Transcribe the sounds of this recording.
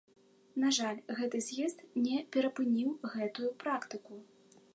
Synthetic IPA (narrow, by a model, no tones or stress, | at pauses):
naʐalʲɣɛt̪ɨzʲjɛst̪nʲɛpʲɛɾɐpɨnʲiwɣɛt̪ujupɾakt̪ɨku